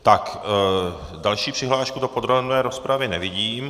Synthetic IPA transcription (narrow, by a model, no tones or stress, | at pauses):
t̪ak | dalʃiːpr̥ɪɦlaːʃkudopod̪ɾobnɛːɾo̞spɾavɪnɛvɪɟiːm